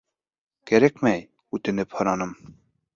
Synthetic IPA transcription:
kæɾækmæj | ʉt̪ɘ̆nɘphɤ̆ɾɑnɤm

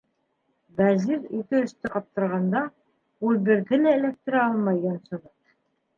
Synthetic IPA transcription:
bæziɾikɘɵ̆ʃt̪ɘqɑp̚t̪ɤ̆ɾʁɑnd̪ɑ | ulˠbɘ̆ɾðɘlæɘ̆læk̚t̪ɘ̆ɾæɑlˠmɑjːɒnsɤ̆ðɤt

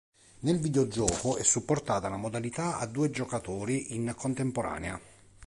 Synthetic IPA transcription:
nelvid̪eod͡ʒɔːkoɛsːupːort̪aːt̪alamod̪alit̪aa̰d̪ːuːed͡ʒokat̪oːɾiʔinkont̪empoɾa̰ːnea̰

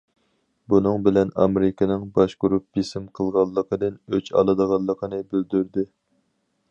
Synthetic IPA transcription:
bunɨŋbɪlɛnɑ̰meɾɪkʲɪnɪŋbɑʃɡuɾup̚d͡ʒisɪmqʰəlˠʁɑnlˠːəqʰəd̪ɪnøt͡ʃʰɑ̰lˠɨd̪əʁɑlˠːəqʰənɨbyld̪yɾd̪ɪ

